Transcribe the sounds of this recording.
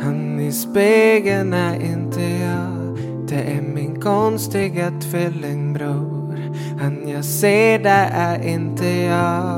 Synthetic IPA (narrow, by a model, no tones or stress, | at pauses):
hanɪspeɡənæɾɪnt̪ʰəjɑː | d̪̥ɛʔæmɪnkʰɔnst̪ɪɡat̪ʰvɪlːɪŋbɾuː | ɾ | hanjɑːɡseːɖɛʔæɾɪnt̪ʰəjɑː